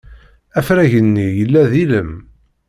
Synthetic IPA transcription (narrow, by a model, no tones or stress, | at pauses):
æfɾæʝənːijəlːæðiləm